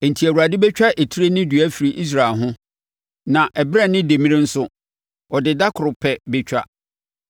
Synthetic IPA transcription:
ɛ˨n̩˨tʰi˨æ˨wu˨ɾa˨dɪ˦bɛ˦t͡ɕᶣa˦ʔe˨tʰi˦ɾe˦nɪ̃˦dɥæ˦fi˨ɾi˨ʔi˦s̬ɾa˨lɦʊ̃˦ | nã˨ʔɛ˨bɾɛ˦˨nɪ̃˦de˨mĩ˦ɾɪ˦n̩˦sʊ˦ | ɔ˨dɪ˨da˦kʰʊ˨ɾʊ˨pʰɛ˨bɛ˦t͡ɕᶣa˦

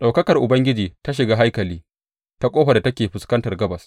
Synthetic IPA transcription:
ɗa˨wkɐ˦kɐ˨rʔʊ˨bɐ˦ŋɡʲɪ˦d͡ʒiː˨ta˦ʃ̬ɪ˨ɡaː˦ɦa˦jkɐ˨liː˦ | ta˦kʷʼoː˦ɸɐ˨da˨tɐ˦kʲeː˨ɸʊ˨skɐ˦ntɐ˨rɡɐ˦bɐ˨s

